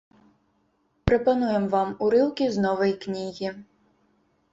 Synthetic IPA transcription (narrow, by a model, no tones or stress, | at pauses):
pɾɐpanujɛmvamuɾɨlˠkʲiznɔvɐjknʲiɣʲi